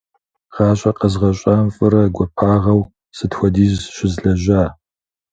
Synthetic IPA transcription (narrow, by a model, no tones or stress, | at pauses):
ʁ̥ɑːɕʼɐqəzʁɐɕʼɐmfʼɨɾɐɡʷɔpʰaːʁɐw | sɨtxʷɔdiːzʃɪzɮɐʒaː